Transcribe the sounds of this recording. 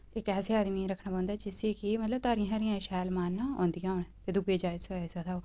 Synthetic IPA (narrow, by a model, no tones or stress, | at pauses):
ɪkɛːseːaːd̪miːɾəkʰnaːpɔ̃ːnd̪aːd͡ʒɪseːkɪmət̪ləb̚t̪aːɾĩɦaːɾĩjãːʃɛːlmaːnːaːõ̰ːnd̪ijãːɦonːt̪eːd̪ʊɡeːd͡ʒaːɪd̪səaːsəd̪aːoː